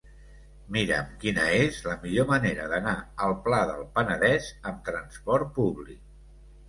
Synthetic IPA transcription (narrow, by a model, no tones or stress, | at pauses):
miɾə̰mkinəezləmiʎoməneɾəðənaəlˠplaðəlˠpənəðɛzəmt̪ɾənspɔɾt̪̚puβlik̚